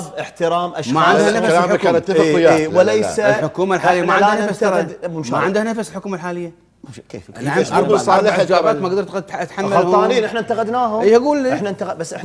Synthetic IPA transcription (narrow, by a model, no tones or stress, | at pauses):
zˤʔɪħt̪ɪɾɑːmʔaʃmaʕɪndd̪hanalaːmkaːnɪt̪ːafjawlejsalħʊkuːmalħaːlɪjːamaʕɪldanafasɾˤd̪mʊnʃmaaʕɪnd̪hnafasɪlħʊkuːmalħaːlɪjːa | kḛːaasˤɑːlɪħd͡ʒaːɾˤɑːt̪maɡd̪ɑɾt̪t̪ħamːalˤɑːniːnʔɪħnant̪aɣad̪naːɦʊiːhaɡuːlːiɪħnant̪aɣbasːʔɪħ